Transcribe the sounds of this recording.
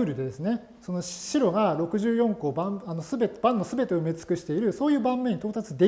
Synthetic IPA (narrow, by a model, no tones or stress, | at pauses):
ɾɯ̟d̪ed̪e̞sɨne̞ | so̞no̞ɕɕiɾo̞ɡaɾo̞kɯ̟ʑɨːjõ̞ŋko̞ːbãano̞sɨbet̪bãnːo̞sɨbe̞t̪eomet͡sɨ̥kɯ̟ɕi̥t̪e̞iɾɯ̟so̞ːjɯ̟ːbãmːẽ̞ɲːit̪oːt̪at͡sɨd̪e̞